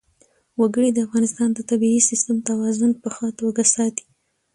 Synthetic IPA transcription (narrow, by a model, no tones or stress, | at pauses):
waɡəɽid̪əafɣɑnɪst̪ɑnd̪ət̪abiisɪst̪əmt̪awɑzʊnpəxɑt̪waɡasɑt̪i̥